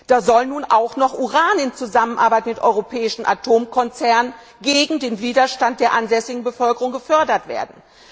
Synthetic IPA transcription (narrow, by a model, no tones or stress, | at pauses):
d̥aːzɔlnuːnʔaʊxnɔχʔuʁaːnɪnt͡suzamənʔaɐbaɪtmɪtʔɔ̰ʏʁopʰɛːɪʃn̩ʔa̰tʰoːmkʰɔnt͡sɛɐnən | ɡeːɡŋ̩deːnviːdɐʃtant̚d̥eːɐʔanzɛsɪɡŋ̩bəfœlkəʁʊŋɡəfœɐdɐtv̥ḛːɐdn̩